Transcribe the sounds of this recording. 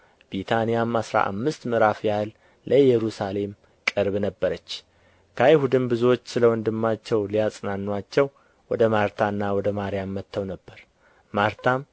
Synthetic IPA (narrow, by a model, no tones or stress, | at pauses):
bit̪ʰanijamasɾa̰ʔa̰mːɨst̪mɨɾafjalː | ʔəjɛɾusale̞m | kʼɨɾβnəbːəɾət͡ʃː | kʰəjɪhud̪ɨmbɨzuwot͡ʃːsɨləwɔnd̪ɨmːat͡ʃːɛwlijasʼnanːuat͡ʃːɛw | wɔd̪əmaɾt̪ʰanːawɔd̪əmaɾijamːət̪ʰːəwnəbːəɾ | maɾt̪ʰam